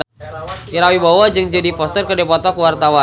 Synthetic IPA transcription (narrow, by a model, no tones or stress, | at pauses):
iɾawibawad͡ʒɨŋd͡ʒadipɔst̪ərkədɛpɔt̪ɔkuwart̪awa